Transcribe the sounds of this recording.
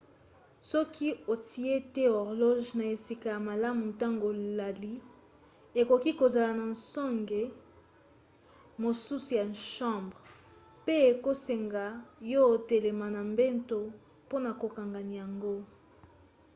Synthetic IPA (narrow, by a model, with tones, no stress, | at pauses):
sɔ˦kʰi˦o˨tʰi˨e˦tɛ˦ɔ˨ʁlɔ˦ʒna˨e˨si˨ka˨ja˨ma˨la˦mu˨nta˦ŋɡo˨la˨li˦ | e˨ko˨ki˦ko˨za˨la˨na˨nsɔ˦ŋɡe˨ | mo˨su˦su˨ja˨nʃɑ̃˦mbʁ | pe˦e˨ko˦se˨ŋɡa˨jo˦˨te˨le˨ma˨na˨mbe˦nto˨ | po˦na˨ko˨ka˨ŋɡa˨ni˨ja˨ŋɡo˦